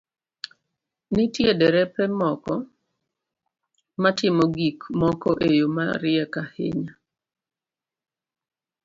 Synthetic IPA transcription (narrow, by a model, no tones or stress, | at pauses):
nitjedɛɾɛpɛmɔkɔ | matɪmɔɡikmɔkɔʔejoma̰ɾɪɛkahḛɲa